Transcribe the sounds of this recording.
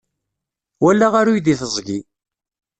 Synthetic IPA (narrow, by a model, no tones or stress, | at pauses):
wælːaʁaɾujd̪iθəzˤɡi